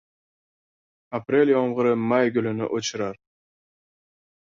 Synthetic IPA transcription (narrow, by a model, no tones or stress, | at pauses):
apɾʲe̞ljɒmʁɨɾɪmajɡʊlɪnɪ̰ʔot͡ʃʰɪɾaɾ